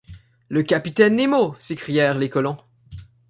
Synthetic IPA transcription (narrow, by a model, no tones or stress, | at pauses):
ləkapit̪ɛnːemosekχijɛːʁlekɔlɔ̃